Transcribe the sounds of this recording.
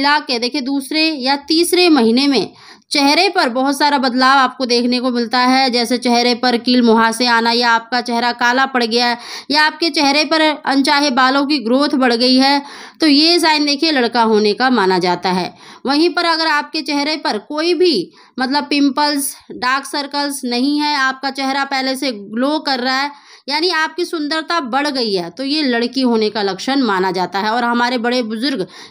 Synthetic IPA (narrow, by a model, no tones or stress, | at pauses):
ɪlaːkːed̪eːkʰied̪uːsɾejat̪iːsɾemɐɦinemẽ | t͡ʃɛɦɾepɐɾbɔɦʊt̪saːɾabɐd̪laːʋaːp̚kod̪eːkʰnekomɪlt̪aɦɛd͡ʒɛːset͡ʃɛɦɾepɐɾkiːlmʊɦaːseaːnajaaːp̚kat͡ʃɛɦɾakaːlapɐɽ̤ɡɐjaɦɛjaaːp̚ket͡ʃɛɦɾepɐɾɐ̰̃nt͡ʃaːɦebaːlõk̬iɡɾoːt̪ʰbɐɽ̤ɡɐiɦɛt̪ojes̬aːɪnd̪eːkʰielɐɽkaɦoːnekamaːnad͡ʒaːt̪aɦɛ̰ːʋɐɦĩpɐɾɐɡəɾaːp̚ket͡ʃɛɦɾepɐɾkoːibʱi | mɐt̪ləb̚pɪ̃mpəlsɖaːksɐɾkəlsnɐɦĩɦɛaːp̚kat͡ʃɛɦɾapɛːɦleseɡloːkɐɾːaɦɛː | jaːniaːp̚kisʊ̃nd̪əɾt̪abɐɽ̤ɡɐiɦɛːt̪ojelɐɽkiɦoːnekalɐkʃənmaːnad͡ʒaːt̪aɦɛɔːɾɦɐmaːɾebɐɽebʊzʊɾɡ